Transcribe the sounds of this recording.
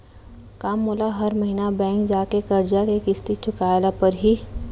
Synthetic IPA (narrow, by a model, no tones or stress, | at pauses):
kaːmːʊlaɦɐɾmɐɦiːnabɛ̃ːŋkd͡ʒaːkekɐɾd͡ʒakekɪst̪it͡ʃʰʊkaːɪlapɐɾɦiː